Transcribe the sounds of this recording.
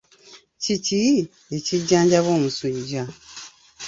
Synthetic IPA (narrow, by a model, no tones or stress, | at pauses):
cici | eciɟːaːɲɟaβoːmusiɟa